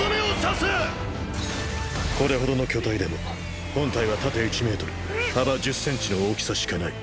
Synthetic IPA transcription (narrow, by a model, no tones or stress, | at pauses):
omiosase | ko̞ɾe̞ɦo̞d̪o̞no̞kʲo̞t̪aid̪e̞mo̞ | hõ̞nt̪aiβat̪at̪e̞it͡ɕime̞ːt̪o̞ɾɯh̪ab̪ad͡ʑɨsːẽ̞ɲ̟t͡ɕino̞oːkʲi̥saɕi̥kanai